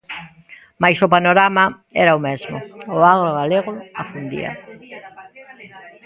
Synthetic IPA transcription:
majsʊpanoɾama | ɛɾaomɛzmʊʊaɣɾoɣaleɣʊafund̪ḭɐ̰

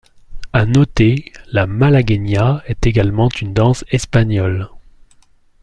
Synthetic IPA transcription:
anɔt̪elamalaɡɛnjaɛt̪eɡalmɑ̃t̪ʰynd̪ɑ̃sɛspaɲjɔl

